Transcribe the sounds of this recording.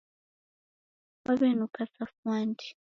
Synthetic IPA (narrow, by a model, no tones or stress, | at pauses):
waβɛnukasafwandi̥